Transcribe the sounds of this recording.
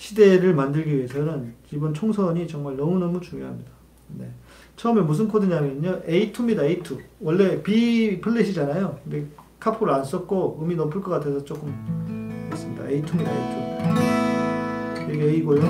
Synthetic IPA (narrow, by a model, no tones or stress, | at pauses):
ɕʰide̞ɾɯɭmandɯɭɡiiesʌnɯnt͡ɕibɯnt͡ɕʰoŋsʰʌɲit͡ɕʌŋmaɭnʌmunʌmut͡ɕuŋjoɦamɲida | ne̞̰ | t͡ɕʰʌɯmemus̬ʰɯnkʰodɯɲamjʌnoʔeitʰumidaeitʰuwʌɭːe̞pipʰɯɭːeɕʰid͡ʑanajokɯnde̞kʰapʰoɾɯɭans͈ʌt̚k͈oɯminʌmpʰuɭk͈ʌk͈atʰe̞sʰʌt͡ɕ͈ok͈ɯm | es͈ɯmɲida̰eitʰumidaeitʰu | iɡeeiɡoɭ